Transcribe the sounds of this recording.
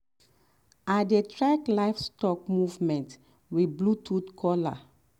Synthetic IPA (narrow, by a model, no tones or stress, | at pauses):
adetɹaklajfstɔk̚muvmɛ̃nt | wiblutʰutkʰɔla̰